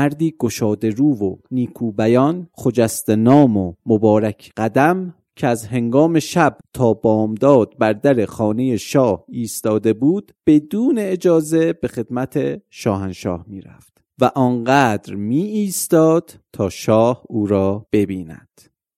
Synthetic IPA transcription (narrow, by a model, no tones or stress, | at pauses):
æɾd̪iːɡ̥oʃɒːd̪e̞ɾuːvoniːkʰuːbæjɒːnxod͡ʒæst̪enɒːmomobɒːɾæcʰɢ̥æd̪æm | cʰeæzhe̞ŋɡɒːme̞ʃæbt̪ʰɒːbɒːmd̪ɒːd̪̥̚bæɾd̪æɾe̞xɒːne̞je̞ʃɒːhiːst̪ɒːd̪e̞buːd̪̥b̥e̞d̪uːne̞ːd͡ʒɒːze̞b̥e̞xe̞d̪̥mæt̪ʰe̞ʃɒːhænʃɒ̰ːhmiːɾæ̰ft̪ | væʔɒːnɢæd̪ɾmiːiːst̪ɒːd̪̥ | t̪ʰɒːʃɒːhuːɾɒːb̥e̞biːnæ̰d̪̥